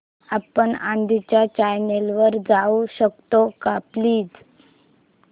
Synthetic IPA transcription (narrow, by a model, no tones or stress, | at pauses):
apəɳãnd̪it͡ɕjat͡ɕajnelʋəɾd͡zauɕəkt̪okapliːd͡z